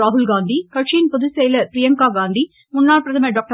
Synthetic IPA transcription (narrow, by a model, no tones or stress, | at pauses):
aːɦʊlɡaːnd̪ikɐʈt͡ʃiːnpɔðusejlɐɾpɾɪjɐŋkaːɡaːnd̪i | mʊnːaːɽpɾɐðɐmɐɖoːk̚ʈɐ